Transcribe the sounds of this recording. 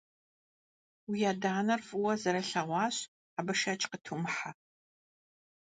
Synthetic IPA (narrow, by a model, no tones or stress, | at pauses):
wijaːdaːnɐrfʼɨwɐzɐɾɐɬɐʁʷɑːɕ | abɨʃɐt͡ʃʼqətʰumħa